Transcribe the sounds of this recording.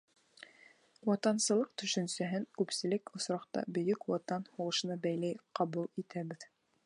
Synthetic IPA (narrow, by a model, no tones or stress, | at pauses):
wɑt̪ɑnsɤ̆lˠɤqt̪ɵ̆ʃɵ̆nsæɦɘŋkʉpsɘ̆lɘkŏsɾɑqt̪ɑ̰bɵ̆jɵkwɑt̪ɑnhuʁɤ̆ʃɤ̆nɑbæjlæjqɑβulˠit̪æβɘð